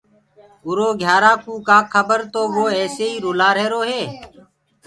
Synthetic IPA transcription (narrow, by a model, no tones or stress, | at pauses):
ʊɾoːɡʱjaːɾaːkũːkaːkʰəbəɾt̪oːʋoːɛːseːiːɾoːlaːɾeːɾoːɦeː